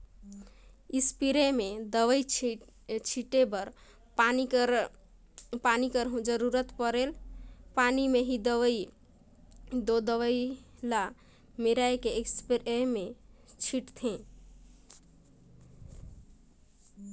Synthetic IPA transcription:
ispiɾemed̪əʋəj | t͡ʃʰiʈebəɾ | pani | panikəɾɦũd͡ʒəɾuɾət̪pəɾelpanimeɦid̪əʋə | d̪od̪əʋəjla | meɾaekekspiɾemet͡ʃʰiʈt̪ʰẽ

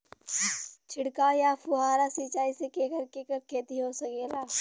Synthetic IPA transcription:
t͡ʃʰɪɽkajafʊɦaːɾasiːt͡ʃaːisekeːkəɾkeːkəɾkʰeːt̪iɦosɐkeːlaː

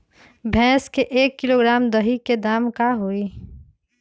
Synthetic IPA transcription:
bʱɛ̃ːskeʔeːkːɪloɡɾaːmd̪əɦiked̪aːmkaɦoi

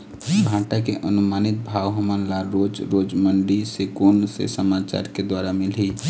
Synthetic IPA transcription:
bʱãʈakeʔənumanit̪̚bʱawɦəmanlaɾod͡ʒɾod͡ʒməɳɖisekonsḛsəmat͡ʃa̰ɾked̪waɾamilɦi

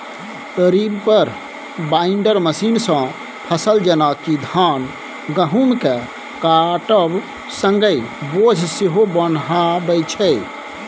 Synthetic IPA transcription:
əɾibpəɾ | baiɳɖəɾməsiːnsə̃ | pʰəsəld͡ʒənakid̪ʱan | ɡəɦumkɛ | kaʈəb | sə̃ŋɡəjbod͡ʒʱseɦobənɦabəɪt͡ʃʰɛj

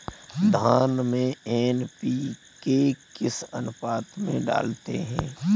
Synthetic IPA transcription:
d̪ʱaːnmẽɛːnpiː | kekɪsɐ̰nʊpaːt̪mẽɖa̰ːlt̪ḛɦɛ̰̃ː

